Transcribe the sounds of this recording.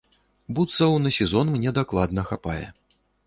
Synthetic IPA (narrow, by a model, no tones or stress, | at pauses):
but̪sɐwnɐsʲɛzɔnmnʲɛd̪aklˠad̪nɐxapajɛ̰